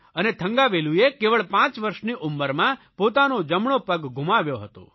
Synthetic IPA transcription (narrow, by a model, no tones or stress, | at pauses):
ənet̪ʰəŋɡaʋeluekeʋəɭpãt͡ʃʋəɾʃniʔumːəɾmã | pot̪anod͡ʒəmɳopəɡɡʱumaʋjoɦət̪o̰